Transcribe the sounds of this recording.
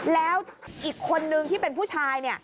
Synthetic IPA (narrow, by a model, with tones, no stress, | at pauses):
lɛː˦˥wʔiː˨˩kʰːo˧nːɯ˧ŋt̪ʰiː˥˩pe˧npʰuː˥˩t͡ɕʰaː˧jni˥˩ɐ